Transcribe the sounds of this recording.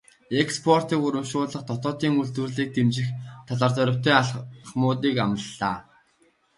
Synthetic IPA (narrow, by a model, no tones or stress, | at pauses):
ekspʰɔr̥t̪iːkuɾə̆mʃʊːɮə̆χt̪ʰɔt̪ɔːt̪iːŋuɮt̪wɘ̆rɮiːk̚t̪ʰemt͡ɕɪ̆xt̪ʰɔɮaːrt̪œɾʲʊ̆t̪œːχmʊːt̪̬iːkamə̆ɮːaː